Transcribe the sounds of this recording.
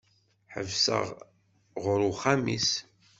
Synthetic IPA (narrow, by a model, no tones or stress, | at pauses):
ħəvsə̰ʁ | ʁɾuχæmḭs